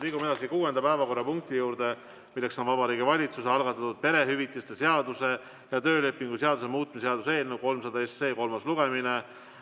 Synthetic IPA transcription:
liːɡume̞d̪ɑsikuːe̞nd̪ɑpæevɑko̞rːɑpuŋk̚t̪ijuːɾd̪̥e̞ | milːekso̞nvɑbɑɾiːɡivɑlʲit̪suse̞ɑlɡ̥ɑt̪ːˑɑt̪ːud̪̚pe̞ɾe̞ɦyvit̪ːˑist̪ese̞ɑd̪̥use̞ | jɑt̪ø̞ːle̞pːˑiŋɡ̥useɑd̪usemuːt̪̚ˑmiseɑd̪use̞ːlnewko̞lmsɑd̪ɑesːe̞ːko̞lmɑsluɡ̥e̞mine

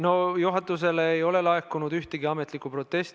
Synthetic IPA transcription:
no̞juɦɑt̪ːˑus̬e̞leːjo̞le̞lɑekːˑunud̪yht̪eɡiɑmet̪likːupro̞t̪ːe̞st̪

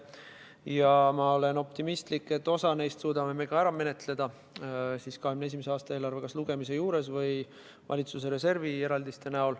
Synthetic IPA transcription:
jɑmɑo̞le̞no̞pt̪imist̪likˑːe̞t̪ːˑo̞sɑne̞jst̪suːd̪ɑme̞me̞kɑæɾɑme̞ne̞t̪ˑle̞d̪̥ɑ | siːskɑɦemnee̞s̬imese̞ɑːst̪ɑe̞ːlɑrve̞kɑsluɡ̥e̞mise̞juːɾe̞svɤj | vʔɑ̰lʲit̪sus̬eɾe̞se̞rvie̞ɾɑld̪ist̪e̞næol

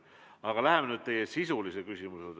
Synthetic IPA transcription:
ɑɡ̥ɑlæɦemenyːd̪̚t̪e̞jesisulise̥kysʲimused̪

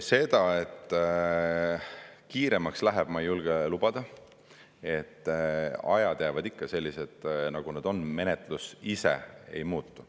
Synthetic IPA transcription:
se̞d̪̥ɑe̞t̪ː | kiːɾe̞mɑkslæɦɛb̥mɑjulɡ̥elubɑd̪̥ɑ | e̞t̪ːɑjɑd̪̥jævɑd̪ikːɑse̞lʲːise̞d̪̥nɑɡ̥uned̪̥o̞nme̞net̪ˑlusisḛe̞̰jmuːt̪ːu̥

